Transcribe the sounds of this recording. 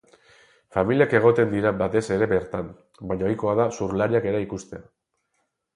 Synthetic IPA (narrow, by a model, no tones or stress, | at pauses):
familiake̞ɣ̞o̞t̪e̞nd̪iɾabat̪e̞se̞ɾe̞βe̞ɾt̪am | baɲaojko̞aðasuɾlaɾiake̞ɾaikust̪e̞a